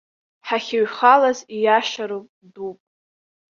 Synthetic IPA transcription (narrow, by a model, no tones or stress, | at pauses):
ħaχʲɪɥχalazijaʃaɾopʼ | dupʼ